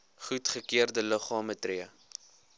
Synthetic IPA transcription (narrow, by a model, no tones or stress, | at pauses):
χutχəkiərdələχɑːmətriə